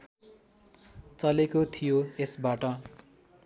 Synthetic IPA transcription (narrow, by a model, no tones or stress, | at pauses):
t͡sʌlekot̪ʰijoesbaʈʌ